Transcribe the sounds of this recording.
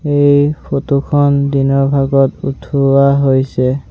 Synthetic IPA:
ejpʰotukʰɔndinɔɹbʱaɡɔtṵtʰuaɦojsɛ

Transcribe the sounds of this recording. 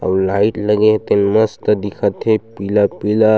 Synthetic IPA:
a̰wlaiʈləɡeɦt̪enməst̪əd̪ikʰat̪ʰepilapila

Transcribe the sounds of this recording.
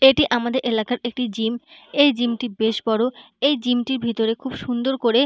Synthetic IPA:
eʈiʔamad̪eɾʔelakaɾʔek̚ʈid͡ʑimejd͡ʑimʈibeʃbɔɾo | ejd͡ʑimʈiɾbʱit̪oɾekʰubʃund̪oɾkoɾe

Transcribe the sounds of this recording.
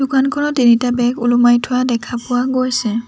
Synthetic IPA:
d̥ukankʰɔɹɔtːinitabɛkulumajtʰʊwadɛkʰapʊwaɡojsɛ

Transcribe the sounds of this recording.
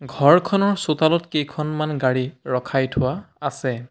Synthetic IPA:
ɡʱɔɹkʰɔnɔɹsotalɔtkejkʰɔnmanɡaɹiɹɔkʰajtʰʊwaasɛ

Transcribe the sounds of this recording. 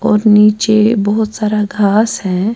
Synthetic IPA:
ɔːɾniːt͡ʃebəɦʊt̪saːɾaɡʱaːsɦɛ̃ː

